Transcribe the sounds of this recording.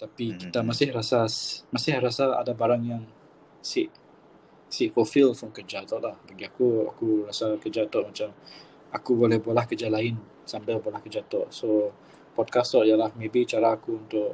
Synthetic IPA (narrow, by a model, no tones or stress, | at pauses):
t̪apikit̪amasɪhrasasmasɪhɾasaa̰dabaɾaŋjaŋ | sɪʔ | siʔfɔlfɪlfɾɔmkərd͡ʒat̪ɔʔlahbaɡiakua̰kurasakəd͡ʒat̪ɔʔmat͡ʃam | akubolɛhbolahkərd͡ʒalaɪn | sambɪlbolahkəd͡ʒat̪ɔʔso | pɔd̚kast̪ɔʔjalahmebit͡ʃaɾaːkuunt̪ʊʔ